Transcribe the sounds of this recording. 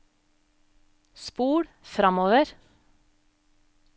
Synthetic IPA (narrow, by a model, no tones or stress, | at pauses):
spuːɽfɾɑmoːʋəɾ